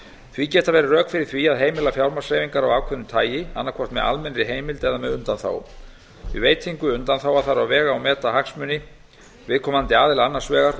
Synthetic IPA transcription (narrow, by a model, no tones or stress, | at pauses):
θvicɛːt̪avɛːɾɪrœːkfɪɾɪɾ̥θviaðɦeːjmɪlafjawɾmasejviŋkaɾawaːkʰœðnʏmt̪ʰaːjɪa̰nːaɾkʰɔr̥t̪mɛ̰ða̰lmɛnɾɪɦeːjmɪlt̪ɛðamɛðʏnt̪anθa̰w | ɪveːjt̪ʰiŋkʏʏnt̪anθaːwaθaɾawvɛːɣaːwmɛːt̪ahaksmʏnɪ | vɪðkʰɔːmant̪ɪaːðɪlanːḁsvɛːɣaɾ̥